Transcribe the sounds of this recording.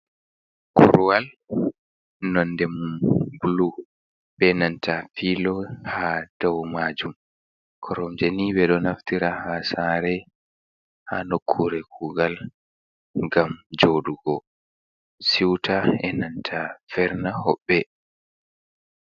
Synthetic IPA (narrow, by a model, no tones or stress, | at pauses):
kʰuɾuwal | nɔndɛmumbulu | ɓbɛnantʰafilɔhad̥ɔwmad͡ʒum | kʰɔɾɔmd͡ʒenibɛɗɔnaftiɾahasaːɾɛ | ha̰nokʰːuɾɛkʰuːɡal | ŋɡamd͡ʒoɗuɡɔ | siwtʰaɛnantʰafɛɾnahɔɓːɛ